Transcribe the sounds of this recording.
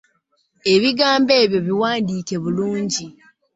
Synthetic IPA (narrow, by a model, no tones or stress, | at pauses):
e̞βiɡaːmbe̞ːβjo̞βiwaːndiːke̞βuluːɲɟi